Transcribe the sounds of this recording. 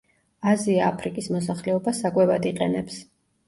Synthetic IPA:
aziaːpʰɾikʼismɔsaχlɛɔbasakʼwɛvad̪iqʼɛnɛps

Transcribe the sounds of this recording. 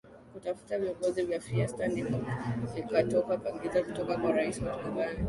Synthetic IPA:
kutafu̥taviɔŋɡɔzivjafiastandifɔvikatɔkapaɡizakutɔkakwaɾaisiwatubana

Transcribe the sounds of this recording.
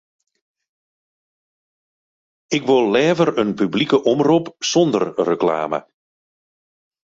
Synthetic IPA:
ɪkʋɪlˠːɛːvərənpyblikəʔɔmrupsɔndərːəkla̰ːmə̰

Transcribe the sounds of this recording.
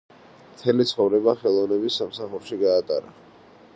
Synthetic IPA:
mt̪ʰɛlit̪sʰχɔvɾɛbaχɛlˠɔvnɛbisːamsaχuɾʃiɡaːt̪ʼa̰ɾa̰

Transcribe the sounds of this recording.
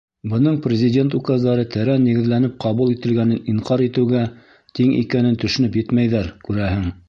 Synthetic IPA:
bɤ̆nɤɴprʲɪzʲɪdʲe̞nt̪ukɑzd̪ɑɾɤt̪ʰɘɾænːiɡɘ̆ðlænɘp̚qʰɑβulˠit̪ɘ̆lɡænɘniɴqɑɾit̪ɘ̆wɡæ | t̪iŋḭkænɘnt̪ɵ̆ʃɘ̆nɵpjɘt̪mæjðæɾkʉɾæhɘŋ

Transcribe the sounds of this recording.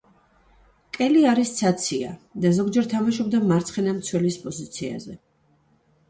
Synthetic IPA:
kʼɛliaɾist̪sʰat̪sʰiad̪azɔɡd͡ʒɛɾt̪ʰamaʃɔbd̪amaɾt̪sʰχɛnamt̪sʰwɛlispʼɔzit̪sʰia̰zɛ

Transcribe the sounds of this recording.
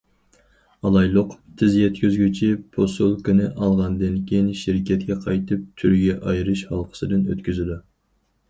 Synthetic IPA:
ɑlˠɑjlˠʊqt̪ʰɪzjɛt̪̚kʲʰyzɡʲyt͡ʃʰipʰosulˠkʰʲynɪʔɑlˠʁɑnd̪ɪnkʲʰejinʃiɾkʲɛt̪̚kʲʰɛqʰɑjt̪ʰɨp̚t̪ʰyɾɡʲɛʔɑjɾɨʃhɑlˠqʰə̥sɨd̪ɨnø̰t̪kʲyzɪd̪u

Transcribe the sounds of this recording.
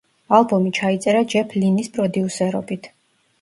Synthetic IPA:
alˠbɔmit͡ʃʰait̪sʼɛɾad͡ʒɛpʰlinispʼɾɔd̪iusɛɾɔbit̪ʰ

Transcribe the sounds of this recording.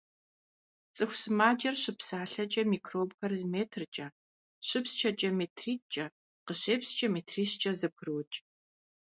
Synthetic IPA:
t͡sʼɨxʷsɨmaːd͡ʒɐrɕɨpsaːɬɐt͡ʃʼɐmiːkʰroːbxɐrzmeːtʰrt͡ʃʼɐ | ɕɨpst͡ʃʰɐt͡ʃʼɐmeːtʰriːt͡ʃʼɐ | qəɕeːpst͡ʃʼɐmeːtʰriːɕt͡ʃʼɐzɨp̚ʰɨrɨwt͡ʃʼ

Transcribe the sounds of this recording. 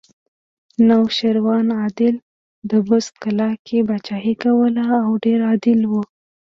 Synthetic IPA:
nawʃaɾwɑnɑd̪ɪl | d̪əbʊst̪kalɑkʰebat͡ʃɑɦikawəlaːwɖeɾɑd̪ɪlwu

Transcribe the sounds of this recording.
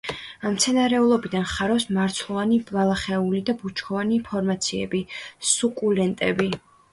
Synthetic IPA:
amt̪sʰɛnaɾɛulˠɔbid̪anχaɾɔwsmaɾt̪sʰlˠɔvanibvalˠaχɛulid̪abut͡ʃʰkʰɔvanipʰɔɾmat̪sʰiɛ̰bisukʼulɛnt̪ʼɛbi

